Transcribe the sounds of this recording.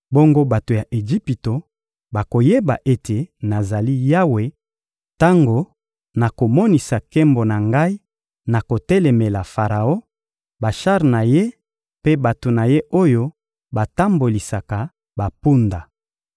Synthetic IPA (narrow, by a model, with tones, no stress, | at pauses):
bo˦ŋɡo˦ba˨to˨ja˨ʔe˨ʒi˦pi˨to˨ | ba˨ko˨je˦ba˨ʔe˦tʰe˨na˨za˨li˦ja˦we˨ | ta˦ŋɡo˦ | na˨ko˨mɔ˦ni˨sa˨kɛ˦mbo˨na˨ŋɡa˦i˦ | na˨ko˨tɛ˦lɛ˨me˨la˨fa˨ʁa˨o˦ | ba˨ʃa˦ʁna˨je˦ | pe˦ba˨to˨na˨je˦ʔo˦jo˦ | ba˨ta˦mbo˨li˨sa˨ka˨ | ba˨pu˦nda˨